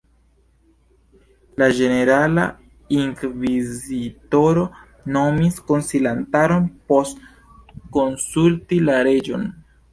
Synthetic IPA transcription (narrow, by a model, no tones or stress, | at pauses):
lad͡ʒe̞ne̞ɾala̰ | iŋkvizito̞ɾo̞ | no̞misko̞nsilantaɾo̞npo̞st | ko̞nsultilaɾe̞d͡ʒo̞n